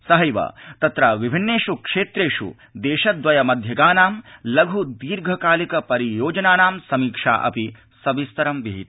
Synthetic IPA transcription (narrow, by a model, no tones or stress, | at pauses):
sɐɦɐjʋɐ̰t̪ɐt̪ɾɐʋibʱinːeːʂukʂeːt̪ɾeːʃṵ | d̪eːʃɐd̪ʋɐjɐmɐd̪ʱjɐɡaːnaːmlɐɡʱud̪iːɾɡʱɐkaːlikɐpɐɾijoːd͡ʒɐnaːnaːmsɐmiːkʂa̰ːʔɐ̰pi | sɐbist̪ɐɾɐmʋiɦit̪